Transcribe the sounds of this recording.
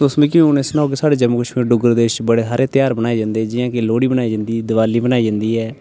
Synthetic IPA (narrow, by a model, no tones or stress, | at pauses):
ʊsmẽːkiʊnesnaːɦoːkeːsaːɽeːd͡ʒəmuːkəʃmiːɾɖʊɡəɾd̪eːɪʃt͡ʃbəɽeːaːɾeːt̪jaːɾbənaːeːd͡ʒãːnd̪eːɛːd͡ʒɪjãːkeloːɽiːbənaːiːd͡ʒãːnd̪iːd̪ɪʋaːliːbənaːid͡ʒãːnd̪iːɛː